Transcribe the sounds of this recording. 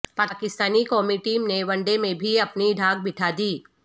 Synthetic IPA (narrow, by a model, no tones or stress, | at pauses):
paːkɪst̪aːnikɔːmiʈiːmneʋɐ̃ɳɖemẽbʱiɐpniɖʱaːɡ̚bɪʈʰad̪iː